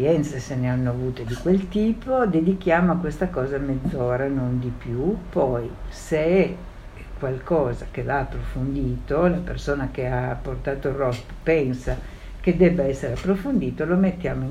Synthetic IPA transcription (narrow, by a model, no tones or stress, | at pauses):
jɛnt̪seseneanːoavuːt̪ed̪ikwelt̪iːpod̪ed̪ikjaːmoakwest̪akɔːzamed̪zːoːɾanond̪ipjupɔjseɛ | kwalkɔːzak̟evaːpːɾofond̪iːt̪olapersoːnak̟eapːort̪aːt̪orɔp | pɛnsa | k̟ed̪ɛbːaɛsːeɾeapːɾofond̪iːt̪olomet̪ːjaːmo